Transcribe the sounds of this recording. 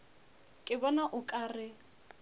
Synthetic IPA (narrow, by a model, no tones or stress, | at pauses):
kʼɪbɔnaʔʊkʼaːrɪ